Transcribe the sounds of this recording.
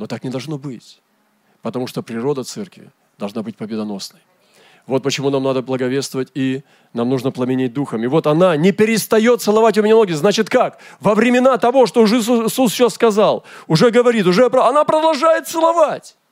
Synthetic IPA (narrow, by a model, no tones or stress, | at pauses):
not̪aknʲɪd̪ɐlˠʐno̞bɨtʲ | pət̪ɐmuʂt̪opɾʲɪɾo̞d̪ət̪sɛrkvʲɪ̰ | d̪ɐlˠʐnabɨtʲpəbʲɪd̪ɐno̞snəj | vo̞t̪̚pət͡ɕɪmunamnad̪əblˠəɡɐvʲest̪vəvətʲi | namnuʐnəplˠəmʲɪnʲet̚ʲd̪uxəmɪvo̞t̪ɐnanʲɪpʲɪɾʲɪst̪ɐjo̞t̪t̪sɨlˠɐvatʲʊmʲɪnʲanoɡʲɪznat͡ɕɪt̪kakvəvɾʲɪmʲɪnat̪ɐvo̞ʂt̪oʊʐsusɕasːkɐzalˠʊʐɛɡəvɐɾʲit̪̬ʊʐɛpɐnapɾəd̪ɐlˠʐajɪt̪sɨlˠɐvatʲ